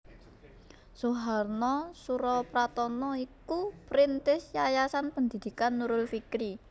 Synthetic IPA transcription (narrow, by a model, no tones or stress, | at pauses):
suɦarnɔsuɾɔpɾat̪ɔnɔikupɾint̪ɪsjajasanpənd̪i̤d̪̥i̤kanːuɾʊlfikɾi